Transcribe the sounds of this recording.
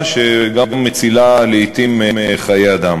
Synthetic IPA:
ʃeɡaɡamːet͡silaleit̪imeχajead̪am

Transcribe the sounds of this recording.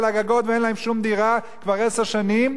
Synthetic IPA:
laɡaɡo̞t̪veenlaɦemʃumd̪iʁa | kvaʁeseʁʃanim

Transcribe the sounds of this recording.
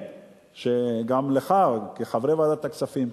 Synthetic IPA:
ʃeɡamleχaʁkeχavʁevad̪at̪akt͡safim

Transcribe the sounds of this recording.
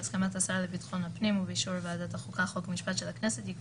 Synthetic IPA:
skamatasaʁalebitχo̞nhapnimuveʃuɾvaːdat̪aχukaχokmiʃpatʃelaknɛset̪jik

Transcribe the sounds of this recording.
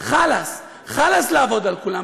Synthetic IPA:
χalas | χalaslaavo̞d̪alkula

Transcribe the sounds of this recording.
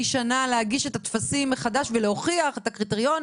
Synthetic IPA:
iʃanalehaɡiʃe̞tatfasimːeχadaʃveleoχiaχe̞takʁiteʁijo̞n

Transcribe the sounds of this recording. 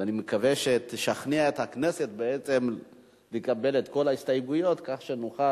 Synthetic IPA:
animekaveʃet̪iʃaχniaet̪hakne̞se̞t̪̚beet͡se̞m | lekabe̞let̪ko̞laist̪ajɡujo̞t̪kaχʃenoχa

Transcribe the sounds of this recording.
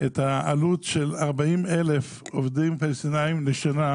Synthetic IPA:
ʔet̪haalutʃelaʁbaime̞le̞f | ovdimpalsinaimleʃana

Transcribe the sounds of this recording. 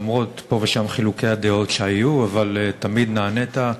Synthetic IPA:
mʁo̞t̪po̞veʃamχiluke̞jad̪eo̞tʃeajuavaltamid̪naːnet̪a

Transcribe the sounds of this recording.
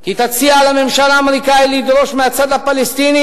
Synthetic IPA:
kit̪asialamemʃalaːmeɾikailid̪ɾoʃmeasad̪apːalest̪iːni

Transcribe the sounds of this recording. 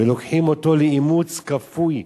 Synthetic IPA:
elokħimo̞to̞leimut͡skafuj

